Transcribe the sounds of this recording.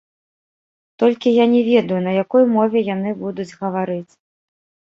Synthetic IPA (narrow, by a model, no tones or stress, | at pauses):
t̪ɔlʲkʲijanʲɛvʲɛd̪ɐjunɐjakɔjmɔvʲɛjan̪ɨbud̪ud͡zʲɣɐvaɾɨt͡sʲ